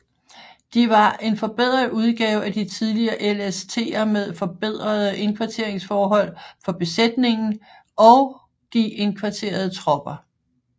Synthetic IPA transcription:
d̥iʋɑ̈ʔe̝nfɒ̽b̥e̝ð̞̰ˠʁɐuð̞ˠɡ̥ɛːʊæd̥it͡sʰið̞ˠliɐːʔelest͡sʰe̝̰ːɐmeðˠfɒ̽b̥e̝ð̞̰ˠʁɐðˠəʔe̝nkʰʋɑ̈t͡sʰe̝ɐ̰e̝ŋsfɒːɦɒ̽l̰fɒ̽b̥e̝sed̥ne̝ŋn̩ | ʔɒ̽ʊ | ɡ̥ḭe̝nkʰʋɑ̈t͡sʰe̝̰ːɐð̞̩ˠt͡sʰʁɒ̽b̥ɐ

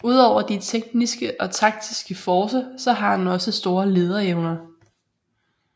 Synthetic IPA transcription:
uð̞̰ˠɒʊ̰ɐd̥it͡sʰeɡ̥̚nisɡ̥əʔɒ̽t͡sʰɑ̈ɡ̥̚d̥isɡ̥əfɒːsɐsɒ̽ɦɑ̈dnɒ̽səsd̥o̝ːɐle̝ːð̞ˠɐeʊnɐ

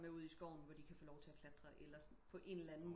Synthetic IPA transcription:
meuð̞̰ˠisɡ̥ɒ̰ʊ̰n̩ʋɒd̥ikʰæfɔːlɒʊt͡sʰe̝ækʰlæd̥ʁɐʔelɐs | pʰɒ̽ʔe̝nlænn̩m

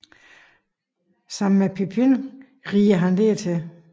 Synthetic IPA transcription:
sɑ̈m̰n̩mepʰipʰin | ʁiːɐɦændeɐt͡sʰe

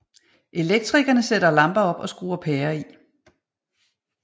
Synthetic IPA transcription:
ʔe̝leɡ̥̚d̥ʰʁiɡ̥ɐnəseɾɐlɑ̈mb̥ɐɒ̽b̥ɒ̽sɡ̥ṵːɐpʰɛːɐi

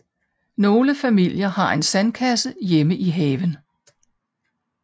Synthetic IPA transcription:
no̝ːləfæmil̰jɐhɑ̈ʔe̝nsænkʰæsəjeməʔiɦɛːʋən

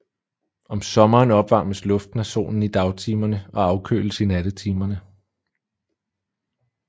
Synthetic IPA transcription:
ɒ̽msɒ̽mɐːnɒ̽b̥ʋɑ̈ːməslɔ̽fd̥næɕo̝̰ːnn̩id̥ɑ̈ʊt͡sʰiːmɐnəʔɒ̽ɑ̈ʊkʰø̰ːləsinæd̥ət͡sʰiːmɐnə

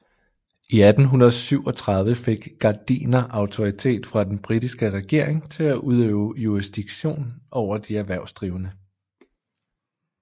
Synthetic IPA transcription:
ʔiæd̥n̩ɦunɐð̩ˠsyʊ̰ɒ̽t͡sʰʁɑ̈ð̞ˠʋəfe̝ɡ̥ɡ̥ɑ̈d̥ḭːnɐʔɑ̈ʊt͡sʰo̝ʁit͡sʰe̝̰ːd̥fʁɑ̈d̥enb̥ʁid̥isɡ̥əʁɛɡ̥e̝ɐ̰eŋt͡sʰe̝læʔuð̞ˠøːʊjuʁisd̥iɡ̥ɕo̝̰ːnʔɒʊ̰ɐd̥iæɐʋæɐ̰ʊsd̥ʁiːʊənə

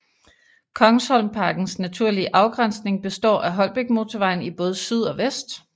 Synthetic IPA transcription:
kʰɒ̽ŋshɒ̽lmpʰɑ̈ːɡ̥n̩snæt͡sʰuɐ̰liəʔɑ̈ʊɡ̥ʁan̰sne̝ŋb̥e̝sd̥ɒ̰ːʔæɦɒ̽l̰b̥e̝ɡ̥̚mo̝t͡sʰɒʋɑ̈ɪ̰n̩ib̥ɔ̽ːð̞̩ˠəsyð̞̰ˠɒ̽ʋesd̥

